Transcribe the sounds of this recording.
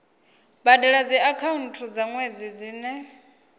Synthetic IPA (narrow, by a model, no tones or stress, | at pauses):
badɛɺad͡ziakʰaun̩tʰud͡zaŋwed͡zid͡ziːnɛ